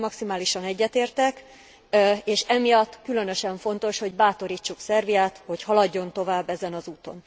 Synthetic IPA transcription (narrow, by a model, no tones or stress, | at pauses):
mɒksimaːliʃɒnɛɟːɛt̪eːrt̪ɛk | eːʃɛmijɒt̪ːkylø̞n̪ø̞ʃɛɱfo̞n̪t̪o̞ʃho̞ɟbaːt̪o̞ɾiːt͡ʃːuksɛrvijaːt̪ho̞chɒlɒɟːo̞nt̪o̞vaːbːɛzɛnɒzuːt̪o̞̰n